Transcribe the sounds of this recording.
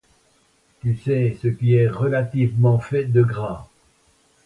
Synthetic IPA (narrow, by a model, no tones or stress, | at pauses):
t̪ysɛsəkʲiɛʁəlat̪ivmɑ̃fɛd̪əɡʁɛ̃